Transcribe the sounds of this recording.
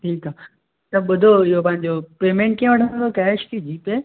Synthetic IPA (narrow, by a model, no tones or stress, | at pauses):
ʈʰiːka | t̪ɐɓʊd̪ʱoɪɦopɐ̃ɦɪ̃ɲd͡ʑopeːmẽːɳʈ̚kĩːə̃ʋɐʈʰə̃nd̪okɛːʃkid͡ʑiːpe